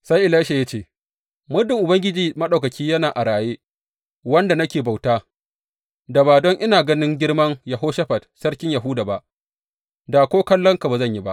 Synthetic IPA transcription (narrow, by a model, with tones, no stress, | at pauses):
sa˦jʔɪ˨la˦ʃe˨ja˦t͡ʃeː˦˨ | mʊ˦dɪ˨ŋʔʊ˨bɐ˦ŋɡʲɪ˦d͡ʒiː˨mɐ˦ɗa˨wkɐ˨kʲʰiː˦jɐ˦naː˨ʔa˨ɽaː˨jeː˦ | wɐ˦nda˨nɐ˦kʲeː˨ba˨wtaː˦ | da˨baː˨dɔ˦ŋʔɪ˦naː˨ɡɐ˦nɪ˦ŋɡʲɪ˦ɽmɐ˦ŋja˨ɦoː˦ʃɐ˦ɸɐ˨dsɐ˦rkʲɪ˦ɲja˨ɦʊ˦daː˨ba˨ʔ | da˨kʷoː˦kɐ˦lːɔ˦ŋka˨baː˨zɐ˦ɲji˦ba̰˦ʔ